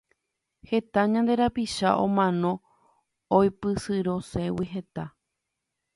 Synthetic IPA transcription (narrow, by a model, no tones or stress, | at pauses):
he̞t̪aɲãnd̪e̞ɾapiʃa̰ʔõ̰mãnõ̞ | ojpɨsɨɾo̞se̞wiɦe̞t̪a